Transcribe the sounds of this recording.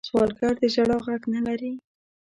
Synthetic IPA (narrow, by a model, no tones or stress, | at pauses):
swɑlkaɾd̪əʒaɽɑɣaɡnalaɾi